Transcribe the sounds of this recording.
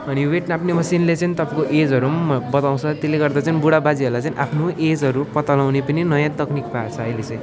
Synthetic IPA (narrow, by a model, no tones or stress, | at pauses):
ʌniweʈnaapʰnemʌsinlet͡sʌnit̪ʌpãkoʔed͡zɦʌɾumbʌt̪aw̃t͡sʰʌt̪eleɡʌrd̪at͡sʌnibuɽabad͡ziʌrlajt͡sʌñĩʔapʰnoʔed͡zʌɾupʌt̪alaw̃nepʌninʌjãt̪ʌknikpat͡sʰʌʌjlet͡sʌj̃